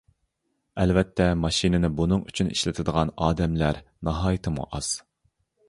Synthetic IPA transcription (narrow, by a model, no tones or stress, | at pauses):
ɛlvɛt̪ʰːɛmɑʃinɪnɪbunɨŋyt͡ʃʰyniʃlɪt̪ʰɪd̪əʁɑnɑːd̪ɛmlæɾnɑɦɑːjit̪ʰɨmṵʔɑz̥